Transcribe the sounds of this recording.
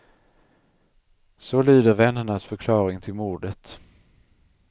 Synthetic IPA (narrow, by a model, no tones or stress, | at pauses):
sɔlyːd̪əɾvɛnːəɳasfœɾkʰlɑːɾɪŋt̪ʰɪlmuːɖət̪